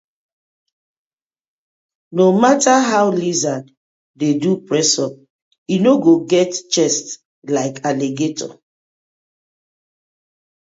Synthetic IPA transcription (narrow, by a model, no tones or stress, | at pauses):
nomataɦaʊlizan | dedupɹɛsɔp̚ | inoɡoɡɛtt͡ʃɛst | laɪkaleɡetʰɔ̰